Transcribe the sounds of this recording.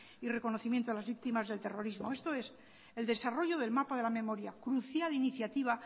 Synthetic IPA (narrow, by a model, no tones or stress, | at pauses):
ire̞ko̞no̞θimjent̪oelazβik̚t̪imazðe̞lt̪e̞ro̞ɾizmo̞e̞st̪o̞e̞s | e̞ld̪e̞saro̞ʝo̞ð̞e̞lmapaðe̞lame̞mo̞ɾjakɾuθjaliniθjat̪iβ̞a